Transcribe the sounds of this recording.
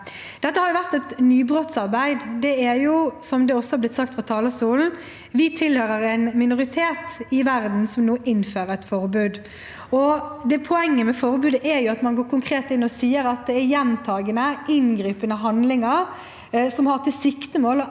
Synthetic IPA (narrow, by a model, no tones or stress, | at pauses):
d̪̥ɛt̪ːəhɑɾjʊʋæʁt̪ɛt̪nyːbɾɔt̪sɑʁbæɪd̪d̪ɛæɾjʊsɔmd̪ɛɔsːɔhɑɾblɪt̪sɑk̚t̪fɑt̪ʰɑːləstuːln̩ | ʋɪt̪ʰɪlhøːɾəɾæɪnmɪnʊʁɪt̪ʰeːt̪ɪʋæɾd̪n̩sɔmnoːʔɪnːføːɾəɛt̪fɔʁbʉːd̪ | ɔd̪ɛpʰɔɛŋːəmɛfɔɾbʉːd̪əʔæɾjʊɑt̪mɑnɡoːɾkʊŋkʰɾeːt̪ɪnːɔsiːəɾɑt̪̚d̪ɛːɾjɛnt̪ʰɑːɡənəɪnɡɾiːpənəɦɑnd̪lɪŋəɾ | sɔmhɑʁt̪ʰɪlsɪkt̪əmoːl